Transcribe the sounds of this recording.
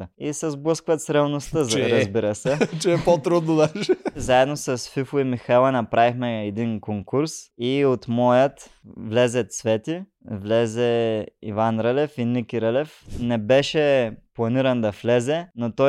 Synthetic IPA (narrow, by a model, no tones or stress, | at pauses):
isɛzblˠəskvət̪sɾɛlˠnost̪əɾɐzbiɾəsɛt͡ʃɛɛpot̪ɾud̪nod̪aʃɛzaɛd̪nosɐsfifʊimixɛlˠɐnɐpɾavixmɛːd̪inkoŋkuɾsiot̪mɔjət̪ | vlɛzɛt̪svɛt̪i | vlɛzɛḭvanɾəlɛfinikʲiɾəlɛfnɛbɛʃɛplˠɐniɾɐnd̪ɐflɛzɛnot̪ɔ